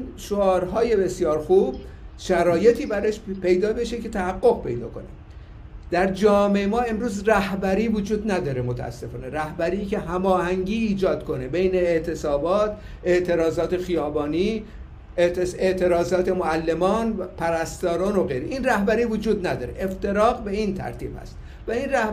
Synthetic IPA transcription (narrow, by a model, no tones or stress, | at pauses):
inʃoɒːɾɦɒːje̞be̞sjɒːɾxub̥̚ | ʃæɾɒːje̞t̪ʰiːbæɾeʃpe̞jd̪ɒːbeʃece̞t̪ʰæhæɡːo̞ɣpʰe̞̰jd̪ɒ̰ːko̞̰ne | d̪̥æɾd͡ʒɒːmeemɒːe̞mɾuːzræhbæɾiːvod͡ʒuːd̪næd̪ɒːɾemot̪ʰæ̰æ̰sːe̞fɒ̰ːne̞ɾæhbæɾiːcʰe̞ɦæmɒːhæŋɟiːd͡ʒɒːd̪̥kʰo̞ne̞be̞jne̞ːʔt̪ʰe̞sɒːbɒːt̪ | e̞ʔt̪ʰe̞ɾɒːzɒːt̪ʰe̞xijɒːbɒːniː | eeʔt̪ʰe̞ɾɒːzɒːt̪ʰe̞moælːe̞mɒːnpʰæɾæst̪ɒːɾɒːno̞ɣe̞jɾeʔinræhbæɾiːvod͡ʒuːd̪næd̪ɒːɾeʔeft̪e̞ɾɒːɣbe̞int̪ʰæ̰ɾt̪ʰḭːb̥hæ̰st̪ | væinræh